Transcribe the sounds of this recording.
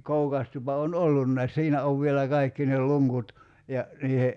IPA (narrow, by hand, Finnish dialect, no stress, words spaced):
koukɑs tupɑ on olːunːɑis siːnæ oʋ ʋielæ kɑikːi nel̆ luŋkut jɑ niːhe